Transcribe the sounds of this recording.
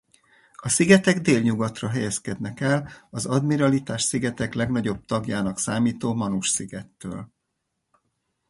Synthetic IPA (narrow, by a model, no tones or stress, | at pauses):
ɒsiɡɛt̪ɛɡd̪eːlɲuɡɒt̪rɒɦɛjɛskɛd̪nɛkɛlɒzɒd̪miɾɒlit̪aːʃsiɡɛt̪ɛklɛɡnɒɟo̞b̚t̪ɒɡjaːnɒksaːmiːt̪oːmɒnuʃsiɡɛt̪ːø̰ːl